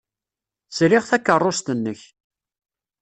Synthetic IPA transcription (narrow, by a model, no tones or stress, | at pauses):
slɪʁθækːərˤːost̪ənːəç